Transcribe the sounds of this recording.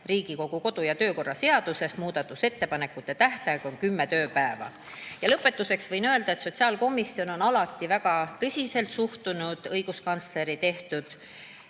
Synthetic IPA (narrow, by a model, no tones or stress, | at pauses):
riːɡ̥iko̞ɡ̥uko̞d̪̥ujɑt̪øːko̞rːɑse̞ɑd̪̥use̞st̪muːd̪̥ɑt̪ːˑuse̞t̪ːe̞pɑne̞kːˑut̪ːe̞t̪æht̪ɑɡ̥o̞nkymːe̞t̪ø̞ːpæevɑ̰ | jɑlɤpːˑe̞t̪ːuse̞ksvɤjnøe̞ld̪̥ɑe̞t̪so̞t̪ʲsiɑːlko̞misːio̞no̞nɑlɑt̪ːˑivæɡ̥ɑt̪ɤsʲise̞lt̪suht̪unud̪̥ɤjɡ̥uskɑnt̪sle̞ɾit̪e̞ht̪ud̪̥